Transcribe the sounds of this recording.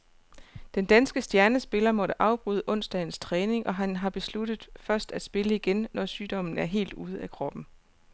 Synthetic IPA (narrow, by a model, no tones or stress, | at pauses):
d̥end̥ænsɡ̥əsd̥jæɐnəsb̥e̝lɐmɒ̽ɾəʔɑ̈ʊb̥ʁuð̞ˠəʔɔ̽n̰sd̥ɛn̩st͡sʰʁɛːne̝ŋʔɒ̽ɦænɦɑ̈b̥e̝slud̥ð̩ˠfɶɐsd̥æ̥sb̥e̝ləiɡ̥enːɒsyːd̥ɒ̽m̰n̩æɐɦe̝̰ːld̥uːð̞ˠəækʰʁɒ̽b̥n̩